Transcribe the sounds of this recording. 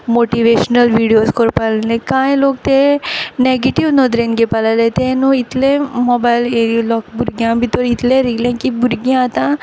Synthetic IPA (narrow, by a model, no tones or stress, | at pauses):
moːʈiʋeːʃnɐlʋiːɽijoːskoɾpalind̪ekãːjloːkt̪eneɡeʈiʋnod̪ɾenɡepɐlalet̪eːnuit̪lemɔbajleːɾilɔːkbuɾɡjãːmbit̪ːoɾit̪leɾiɡlekibuɾɡaat̪a